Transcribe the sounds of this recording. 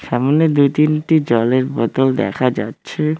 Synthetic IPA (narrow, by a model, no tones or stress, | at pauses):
ʃɛmoned̪ujt̪inʈid͡ʑɔleɾbɔt̪old̪ɛ̰kʰad͡ʑa̰tːɕʰe